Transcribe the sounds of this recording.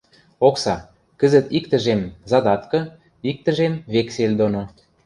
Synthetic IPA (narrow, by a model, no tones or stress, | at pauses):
oksɑ | kə̆zə̆t̪ikt̪ə̆ʒemzɑd̪ɑt̪kɤ̆ | ik̚t̪ə̆ʒemβekselʲd̪ono